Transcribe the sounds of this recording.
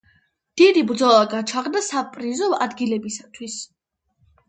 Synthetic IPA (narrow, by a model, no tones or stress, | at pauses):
d̪̥id̪ibɾd̪zɔlˠaɡat͡ʃʰaʁd̪asapʼɾizɔa̰d̪ɡilɛbisat̪ʰwis